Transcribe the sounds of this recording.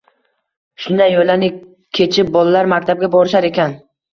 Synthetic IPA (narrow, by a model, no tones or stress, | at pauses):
ʃʊnd̪ajjolanɪ | kʲʰe̞t͡ʃʰɪp̚bɒlˠalaɾmak̚ʲt̪ʰab̚ɡʲabɒɾɪʃaɾe̞kʲʰan